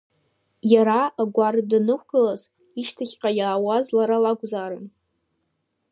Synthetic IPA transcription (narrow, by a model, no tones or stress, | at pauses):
jaɾaʔaɡʷardɨnɨkʷʰɡ̥ɨlaz | iʃtʰaχʲqʲʼajaːwazlaɾalaɡʷzaɾɨn